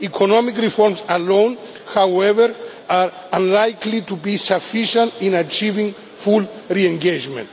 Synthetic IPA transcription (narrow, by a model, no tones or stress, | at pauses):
ikʰonɔmikɾifɔɾmsalõn | hawɛvəɾ | aɾ | ãnlajklit̪ubisafiʃə̃nt̪ĩnat͡ʃivĩŋ | fulɹiɛ̃ŋɡed͡ʒmɛ̰̃nt̪